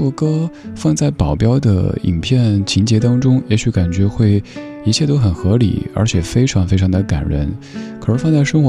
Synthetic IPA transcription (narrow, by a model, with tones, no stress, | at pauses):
wɔ˨˩kɤ˥fɑ˥˧ŋt͡sa˥˩ɪpɑ˨˩ʊpjɑ˥ʊd̪ə̰˨˩ḭ˨˩ŋpʰjɛ˥˩nt͡ɕʰi˧˥t͡ɕjɛ˧˥t̪ɑ˥ŋʈ͡ʂʊ˥ŋjɛ˧˥ɕy˧˥ka˨˩nt͡ɕɥɛ˧˥xwe˥˩ɪ | i˧˥t͡ɕʰjɛ˥˩t̪o˥ʊxə˨˩nxɤ˧˥lḭ˨˩˦ə̰˞˧˥t͡ɕʰjɛ˨˩fe˥ɪʈ͡ʂʰɑ˧˥ŋfe˥ɪʈ͡ʂʰɑ˧˥ŋd̪ə˧˩ka̰˨˩nɻə̰˧˥nkʰɤ˨˩ɻə˧˥fɑ˥˧t͡sa˥˩ɪʂɤ˥ŋxwɔ˧˦